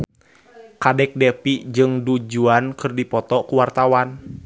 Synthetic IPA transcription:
kadɛk̚dɛpid͡ʒɨŋdud͡ʒuankɨrdipɔt̪ɔkuwart̪awan

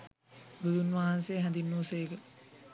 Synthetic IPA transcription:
ɡud̪unʋaɦansejːɦæ̃nd̪inːuːsejkə

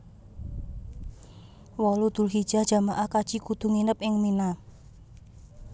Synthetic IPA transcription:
wɔlud̪̥ṳlɦid̥ʒ̥a̤̥ʒ̥a̤maʔakad̥ʒ̥ikud̪̥ṳŋinəpɪŋmina

